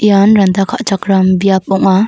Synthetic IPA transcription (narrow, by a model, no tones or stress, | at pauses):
ʔijanɾɐnd̪akʰaʔt͡ʃakɾambijap̚ɔŋa